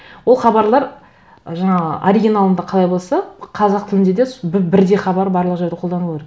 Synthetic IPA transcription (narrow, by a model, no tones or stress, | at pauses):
wo̞lˠχɑbɑɾlˠɑɾ | ʒɑɴɑə̰ʔoɾiɡʲinalˠənd̪ɑqʰɑlˠɑjbo̞lˠsɑqʰɑzɑq̚t̪ʰɪlɪnd̪e̞d̪esbbɪɾd̪e̞χɑbɑɾbɑɾlˠəqʒeɾd̪ɪqʰod̪ɑnəlˠeɾe